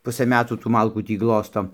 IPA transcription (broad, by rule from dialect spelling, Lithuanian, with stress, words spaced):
ˈpʊsɘ ˈmʲæːtuː tuː ˈmɐlˠkuː ˈtʲiː ˈɡlˠoːstoː